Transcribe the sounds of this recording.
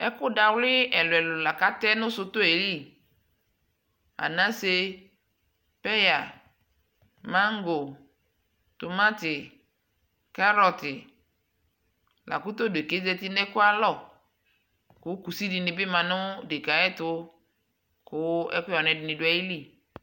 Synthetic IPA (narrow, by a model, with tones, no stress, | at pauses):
ɛ˦kʊ˦da˨wlɪ˦ɛ˨lʊ˨ɛ˨lʊ˨la˨ka˦t̪ɛ˦nʊ̃˦sʊ˦t̪ʊ˦e˨˦li˦˨ | a̰˨nã˦se˦ | pɛ˦ja˨ | mã˦ŋ˦ɡo˨ | t̪ʊ˨ma˦t̪ɪ˨ | ka˦ɾɔ˨t̪ɪ˨ | la̰˨kʊ˦t̪o˦de˨ke˦zɛ˦t̪ɪ˦nɛ˦kʊ˦a˦˨lɔ˦˨ | kʊ˨˦ku˨si˦di˨nɪ˨bɪ˦mã˨nʊ̃˦de˨ka˨ɛ˦t̪ʊ˦ | kʊ˦ɛ̰˦kʊ˦ɔ˨nɛ̃˨dɪ˨nɪ̃˨dʊ˨˦ɛ˨ji˦li˦˨